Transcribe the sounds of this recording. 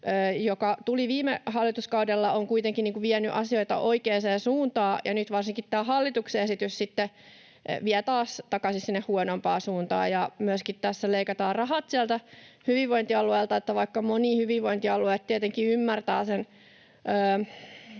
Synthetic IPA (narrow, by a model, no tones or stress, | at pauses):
ʔøːjokɑt̪uliʋiːmehɑlːit̪uskɑudelːɑoŋkuit̪eŋkinniːkuʋiɛnyʔɑsioit̪ɑ̰ʔoikeːseːnsuːnt̪ɑːjɑnyt̪ʋɑrsiŋkit̪t̪æːhɑlːit̪ukseesit̪yssit̪ːe | ʋiæt̪ɑːst̪ɑkɑsissinːehhuonompɑːsuːnt̪ɑ̰ːjɑmyøskit̪t̪æsːæleikɑt̪ɑːrɑɦɑt̪siælt̪æhyʋiʋʋoint̪iɑlueːlt̪ɑet̪ːæʋɑikːɑmonihyʋiʋʋoint̪iɑlueːˑt̪t̪iet̪eŋkiymːært̪æ̰ːsen | øː